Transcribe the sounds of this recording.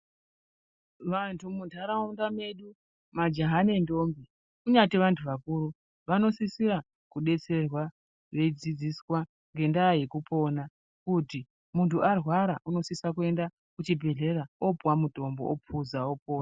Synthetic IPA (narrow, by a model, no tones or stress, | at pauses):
ʋantʰumutaɾaundame̞ɗu | mad͡ʒaɦane̞ndo̞mbi | kuɲateʋantʰuʋakuːɾu | ʋano̞sisiɾa | kuɗe̞t͡se̞rwa | ʋe̞d͡zid͡ziswa | ŋɡe̞ndajekupʰo̞ːna | kuti | muntuʔarwaɾaʔuno̞sisakue̞nda | kut͡ʃibʱe̞ɮe̞ɾaopwamuto̞mboopʰuzaopoːna